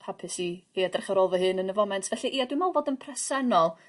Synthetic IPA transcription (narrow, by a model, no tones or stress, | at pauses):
pʰapʰɨsiiːadɛrχaɾoːlˠvɔhɨnənəvɔmɛntʰvɛɬiʔiːadwimɔlˠvoːdənpʰrɛsɛnɔlˠ